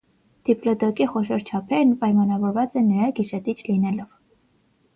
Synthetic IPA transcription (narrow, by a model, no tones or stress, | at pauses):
d̪̥iplɔd̪ɔkiχɔʃɔɾt͡ʃʰɑpʰɛɾnpɑjmɑnɑvɔɾvɑt͡sɛnəɾɑɡiʃɛt̪it͡ʃʰlinɛlɔv̥